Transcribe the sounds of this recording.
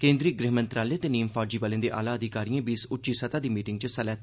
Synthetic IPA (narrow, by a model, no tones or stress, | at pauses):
kẽːnd̪ɾiːɡɾɪɦmə̃nt̪ɾaːleːt̪eːniːmfaːd͡ʒiːbaːlẽːd̪eːʔa̰ːlaːəd̪ɪkaːɾijãːbiɪsʊtːʃiːsət̪aːd̪iːmiːʈɪŋɡt͡ʃəsəlɛːt̪